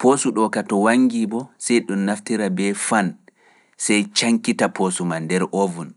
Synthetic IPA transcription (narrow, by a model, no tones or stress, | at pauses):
posuɗɔkatɔwaŋɡibɔsɛjɗɔnnːaftiɾabɛfan | sɛjt͡ʃaŋkitapʰosumandɛɾʔovun